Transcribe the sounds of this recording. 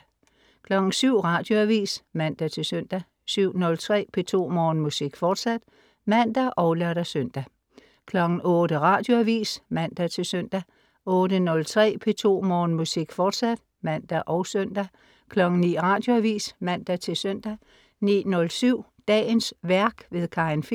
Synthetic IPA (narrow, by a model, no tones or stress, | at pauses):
kʰlɒ̽ɡ̥n̩syʊ̰ʁɑ̈d̥jo̝æʋḭːsmæn̰d̥æt͡sʰe̝lsøn̰d̥æ | syʊ̰nɔ̽lt͡sʰʁɛ̰ːpʰe̝t͡sʰo̝̰ːmɒːnmusiɡ̥fɒːd̥sæd̥ | mæn̰d̥æʔɒ̽ʊlœɐɾ̥æsøn̰d̥æ | kʰlɒ̽ɡ̥n̩ʔɔ̽ːd̥əʁɑ̈ːd̥jo̝æʋḭːsmæn̰d̥æt͡sʰe̝søn̰d̥æ | ɔ̽ːɾənɔ̽lt͡sʰʁɛ̰ːpʰe̝t͡sʰo̝̰ːmɒːn̩musiɡ̥fɒːd̥sæd̥ | mæn̰d̥æʔɒʊsœn̰d̥æ | kʰlɒ̽ɡ̥n̩nḭːʁɑ̈ːd̥jo̝æʋḭːsmæn̰d̥æt͡sʰe̝lsøn̰d̥æ | nḭːnɔ̽lsyʊ̰ | d̥ɛ̰ːnsʋæɐɡ̥ʋe̝ðˠkʰɑ̈enfi